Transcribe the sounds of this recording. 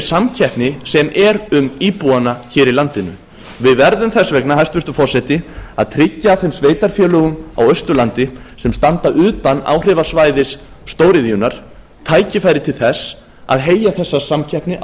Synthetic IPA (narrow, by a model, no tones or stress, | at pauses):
samcʰɛhpnɪsɛmʔɛɾʏmiːpuanaçɪːɾilant̪ɪnʏ̰ | vɪðvɛɾðʏmθɛsvɛknaɦajst̪vɪɾ̥t̪ʏfɔr̥sɛt̪ɪa̰ðt̪ʰɾɪcːaθɛmsveːjt̪aɾ̥fjœːlœɣʏma̰wœɥst̪ʏlant̪ɪ | sɛmst̪ant̪aʔʏːt̪ana̰ːwr̥ɪvasvaːjðɪsː | t̪oːwɾɪðiʏnaɾ̥ | t̪ʰaːjcɪfaːjɾɪt̪ʰɪlθɛs | a̰ðɦeːjaθɛsːasamcʰɛhpnɪʔ